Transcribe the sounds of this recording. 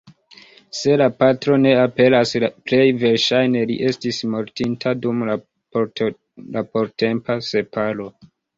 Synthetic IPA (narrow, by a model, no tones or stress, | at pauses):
se̞lapatɾo̞ne̞ape̞lasple̞jve̞ɾʃajne̞lḭʔe̞stismo̞ɾtintʰadum | lapoɾte̞mpase̞pʰalo̞